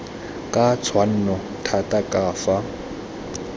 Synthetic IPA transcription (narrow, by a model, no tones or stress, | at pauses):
kʼat͡sʰwan̩ːnɔ | tʰatʼakʼaːfa